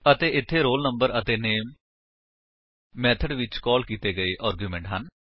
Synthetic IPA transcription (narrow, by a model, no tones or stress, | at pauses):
ət̪eːʔɪt̪ʰːeːɾoːlnəmbəɾət̪eːneːm | ɛːt̪ʰəɖʋɪt͡ʃkɔːlkiːt̪eːɡəeːʔaːɾɡjuːmɛ̃ːɳʈɦən